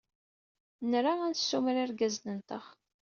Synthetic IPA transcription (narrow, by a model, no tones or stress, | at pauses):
nɾaænsːumɾiɾɡæznənt̪əχ